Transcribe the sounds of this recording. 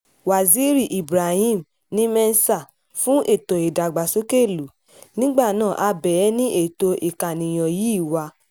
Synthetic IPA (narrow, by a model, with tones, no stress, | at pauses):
wa˨zi˨˦ɾi˦˨ʔi˨bɾa˨hĩ˦˨m | nĩ˦mɛ˧n˦sa˦˨ | fũ˦ʔe˦˨to˨e˨da˨ɡ͡ba˨so˨˦ke˦˨lu˨˦ | nĩ˦ɡ͡ba˦˨nãː˦˨ʔa˧bɛ˨˦nĩ˦ʔe˦˨to˧ʔi˨ka˨nĩ˨j̃ɔ̃˨ji˨˦i˦˨wa˧